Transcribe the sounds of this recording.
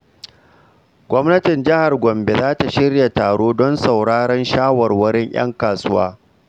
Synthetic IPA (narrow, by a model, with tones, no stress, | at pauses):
ɡʷɔ˦mnɐ˦tɪ˨nd͡ʒɪ˦ha˨rɡʷɔ˨mbe˨zaː˦ta˨ʃɪ˦rja˨taː˨ɽoː˦dɔ˦nsa˨wɽaː˦ɽɛ˦nʃaː˦wɐ˨rwɐ˦ɽɪ˦ɲʔj̰ɐ̰˦ŋkaː˨sʊ˦wa̰ː˦